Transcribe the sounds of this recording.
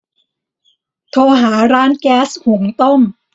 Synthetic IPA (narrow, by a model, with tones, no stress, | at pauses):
t̪ʰoː˧ɦaː˩˦ɾaː˦˥nkɛː˦˥shu˩˦ŋt̪o˥˩m